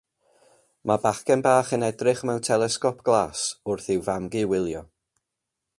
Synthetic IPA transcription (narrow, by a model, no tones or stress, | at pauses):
mabaχkɛnbaːχənɛdrɪχmɛwntʰɛlˠɛskɔpʰɡ̥lˠaːsʊrθɪwvamɡɨwɪlˠjɔ